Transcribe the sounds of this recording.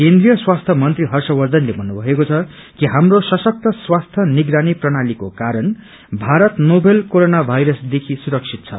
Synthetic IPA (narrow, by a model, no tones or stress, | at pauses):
kend̪rijʌswast̪ʰʌmʌnt̪riɦʌrsʌwʌrd̪ʌnlebʱʌnːubʱʌɦekot͡sʰʌ | kiɦamrosʌsʌk̚t̪ʰʌswast̪ʰʌniɡɾaniprʌɽ̃alikokaɾʌn | bʱaɾʌt̪nobʱelkoɾonabʱajɾʌsd̪ekʰisuɾʌksʰit̪̚t͡sʰʌ̰